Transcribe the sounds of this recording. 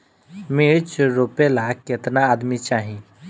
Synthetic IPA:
miɾt͡ʃɾopelakɪt̪naːd̪mit͡ʃaːɦĩ

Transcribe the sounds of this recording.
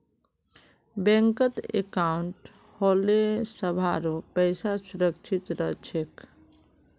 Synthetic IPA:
bɛ̃ŋkət̪ḛkauɳʈ | holesəbʱaɾopɛɪsasuɾəkt͡ʃʰit̪ɾət͡ʃʰek

